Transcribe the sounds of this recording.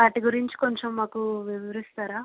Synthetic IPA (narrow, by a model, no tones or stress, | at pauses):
aːʈiɡuɾiɲt͡ʃi̥koɲt͡ʃemːaːkuʋiʋɐɾist̪aːɾaː